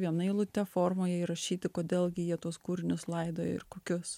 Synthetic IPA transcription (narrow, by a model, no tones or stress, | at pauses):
ʋʲiɛnɐɪlˠʊt̪ʲɛfoːɾmoːjɛɪɾɐʃʲiːt̪ʲɪkoːd̪ʲeːlˠɡʲɪjiɛt̪uɔskuːɾʲɪnʲʊslˠɐɪd̪o̰ːɪ̰ɾkoːkʲʊs